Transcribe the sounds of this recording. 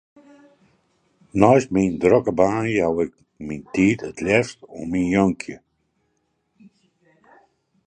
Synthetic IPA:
nɔjsmindrɔkəbaːnəawɪk̚ | mintiːtʰətʰlɛstɔminjɔŋkʰjə

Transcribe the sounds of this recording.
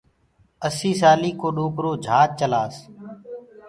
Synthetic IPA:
əsiːsaːliːkoːɗõːkɾoːd͡ʒʱaːt̪̚t͡ʃəlaːs

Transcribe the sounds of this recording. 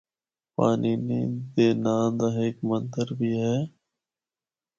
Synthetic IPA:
paːniːniːd̪eːnãːnd̪aːɦeːkmənd̪əɾbʱiːɦɛː

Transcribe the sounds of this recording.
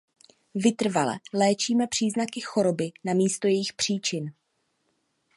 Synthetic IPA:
vɪt̪r̩valɛ̰lɛːt͡ʃiːmɛpr̥iːznakɪxo̞ɾo̞bɪnamiːst̪o̞jɛjɪxpr̝̥iːt͡ʃɪn

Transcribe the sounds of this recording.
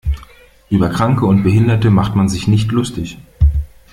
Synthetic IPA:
ʔyːbɐkʁ̥aŋkəʊntb̥əɦɪndɐtəmaχtmanzɪçnɪçtlʊstɪç

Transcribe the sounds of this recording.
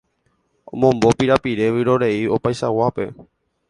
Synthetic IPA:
õ̰mõmbo̞piɾapiɾe̞ʋɨɾo̞ɾe̞io̞pajʃawape̞̰

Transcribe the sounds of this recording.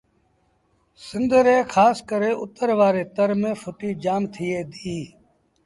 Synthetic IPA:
sɪnd̪əɾeːkʰaːskəɾẽːʔʊt̪əɾʋaːɾeːt̪əɾmẽːfʰʊʈiːd͡ʒaːmt̪ʰɪjeːd̪iiː

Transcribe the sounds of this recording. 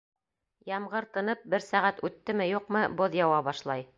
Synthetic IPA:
jɑmʁɤ̆ɾt̪ɤ̆nɤp̚bɘɾsæʁæt̪ʉt̪ːɘmɘjuqmɤboðjɑwɑbɑʃlˠɑj

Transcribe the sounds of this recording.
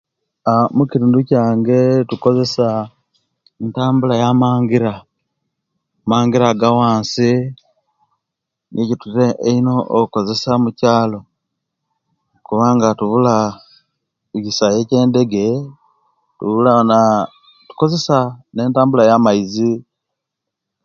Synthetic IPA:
amuciɾiːnducaːŋɡe̞tuko̞ze̞sa | entaːmbulajamaːŋɡiɾa | maːŋɡiɾaɡawaːnsi | nʔicituɾeeino̞ʔo̰kuko̞ze̞samucaːlo̞ | kuβaːŋɡatuβula | ɟisaje̞ce̞ːnde̞ɡe̞ | tuβulana | tu̥ko̞ze̞saneːntaːmbulajamaizi

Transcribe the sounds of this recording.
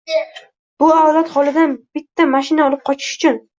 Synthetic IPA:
b̥ʊaɒlat̪hɒlˠɪd̪anb̥ɪt̪ʰːamaʃɪnaɒlˠɪp̚qʰɒt͡ʃʰɪ̥ʃʊ̥t͡ʃʰʊn

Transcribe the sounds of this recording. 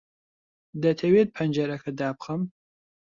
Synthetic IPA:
d̪ɐt̪ʰɐweːd̪̚pʰɐnd͡ʒɐɾɐkʰɐd̪aːp̚χɐm

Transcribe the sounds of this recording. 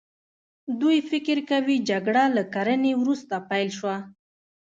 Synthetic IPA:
d̪ujfɪkɪɾkawid͡ʒaɡɽalakaɾənewɾust̪apajlʃwa

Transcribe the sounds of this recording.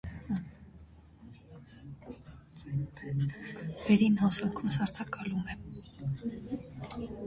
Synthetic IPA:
vɛɾinhɔsɑŋkʰumsɑɾt͡sʰɑkɑlumɛ

